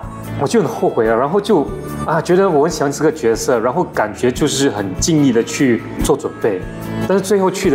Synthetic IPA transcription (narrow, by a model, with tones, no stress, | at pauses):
wɔ˨˩t͡ɕjo˥˩ʊnə˧˩ŋxo˥˩ʊxwe˧˥ɪlə˧ɻa˧˥nxo˥˧ʊt͡ɕjo˥˩ʊ | a˥˧˩t͡ɕɥɛ˧˥d̪ə˧wɔ˨˩mə˧˥nɕjŋʂə˥ɡə˩t͡ɕɥɛ˧˥sɤ˥˩ɻa˧˥nxo˥˩ʊka˨˩nt͡ɕɥɛ˧˥t͡ɕjo˥˧ʊʂɻ̩˥˩xə˨˩nt͡ɕi˥˧ŋi˥˩d̪ə˩t͡ɕʰy˥˧ | t͡swɔ˥˩ʈ͡ʂwə˨˩npe˥˩ɪ | t̪a˥˧nʂɻ̩˥˧t͡swe˥˧ɪxo˥˧ʊt͡ɕʰy˥˩ə